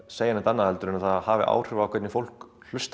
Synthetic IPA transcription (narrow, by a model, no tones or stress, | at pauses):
sejanɪt̪anːahɛlt̪ʏɾɪnaθahavɪ̰ʔa̰ːwr̥ʏvaːwkʰɛt̪nɪfowl̥k | l̥ʏst̪